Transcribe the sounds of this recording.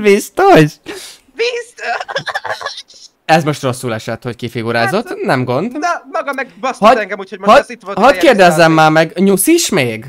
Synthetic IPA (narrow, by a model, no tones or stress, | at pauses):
bist̪oʃ | bist̪o | ɛzmo̞ʃt̪ro̞sːulɛʃɛt̪ho̞ckifiɡuɾaːzo̞t̪ːnɛmɡo̞nd̪mɒɡɒmɛɡbɔshɒɛŋɡɛmuːchomhɒit̪hɒkeːrd̪ɛzːɛmːaːmɛɡɲusiʃmeːɡ